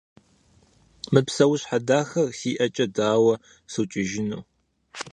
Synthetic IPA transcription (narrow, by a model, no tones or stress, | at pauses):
mɨpsɐwʊɕħadaːxɐrsiːʔɐt͡ʃʼɐdaːwɐ | sɨwt͡ʃʼɪʒɪnuː